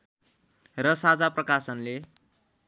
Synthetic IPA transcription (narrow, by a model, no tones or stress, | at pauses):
ɾʌsad͡zaprʌkasʌnle